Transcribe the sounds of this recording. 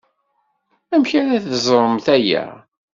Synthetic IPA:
æmçaɾæθəzˤɾˤəmθæjæ̰

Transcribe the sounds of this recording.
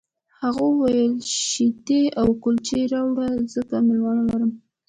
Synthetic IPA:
haɣowajəlʃit̪eawkʊlt͡ʃeɾɑwɽazəkamɪlwɑnalaɾəm

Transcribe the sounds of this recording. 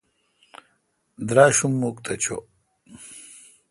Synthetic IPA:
d̪ɾaːɕumːukt̪ʰɐt͡ɕʰo̰

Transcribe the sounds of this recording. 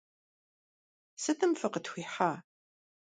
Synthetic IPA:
sɨt̪ʰɨmfɨqətxʷiːħaː

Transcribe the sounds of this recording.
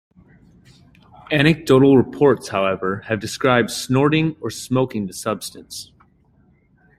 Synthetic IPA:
æɾ̃ñɨk̚d̥oʊɾl̩ˠɹəpʰɔɹtshaʊɛvə˞ɨvdɨskɹaɪb̚d̥snɔɹɾɪ̃ŋə˞smoʊkɪ̃ŋðɨsʌb̥stɨ̃ns

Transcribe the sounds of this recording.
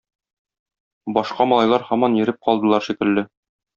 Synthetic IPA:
bɒʃqɑmɒ̆lˠɑjlˠɑɾhɒmɑnjɘ̆ɾɘp̚qɒlˠd̪ɤ̆lˠɑɾʃikɘ̆lːɘ

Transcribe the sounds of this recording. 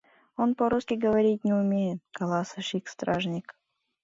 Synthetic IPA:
onpoɾuskʲɪɡəvɐɾʲitʲnʲɪʊmʲejɪt̪̚kɐlˠɑsəʂikst̪ɾaʐnʲik

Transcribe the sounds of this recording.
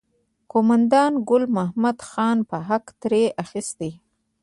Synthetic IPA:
komand̪ɑnɡʊlmahmad̪xɑnpəɦakt̪ɾeʔaxist̪e

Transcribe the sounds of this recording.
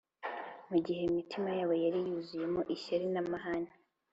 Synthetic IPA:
muɟihe̞mitʰimajaːβo̞jaɾijuːzuje̞mo̞ʔiʃaɾinamaɦana

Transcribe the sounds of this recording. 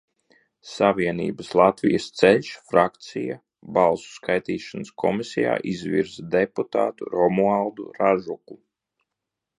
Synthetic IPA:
saviɛnḭːbəslˠat̪vijəst̪sɛʎʲsfɾakt̪sija̰ | balˠsu̥skajt̪iːʃanəskʰɔmisʲɛja̰ːʔizvḭɾzd̪eput̪a̰ːt̪ṵɾɔmualˠd̪ṵɾaʒuku

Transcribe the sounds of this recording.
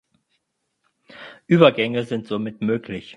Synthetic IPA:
ʔyːbɐɡɛŋəzɪntz̥omɪtmøːkʰlɪç

